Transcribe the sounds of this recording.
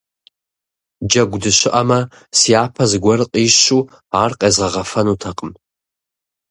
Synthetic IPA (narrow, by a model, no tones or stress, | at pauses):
d͡ʒɐɡʷdɨɕɪʔɐmɐ | siaːpʰɐzɨɡʷɔrɨqʼiːɕuː | aːrqʼeːzʁɐʁɐfɐnuːtʰɐqʼəm